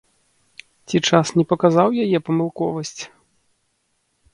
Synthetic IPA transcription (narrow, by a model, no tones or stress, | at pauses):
t͡sʲit͡ʂasnʲɛpɐkazawjajɛpɐmɨlˠkɔvɐsʲt͡sʲ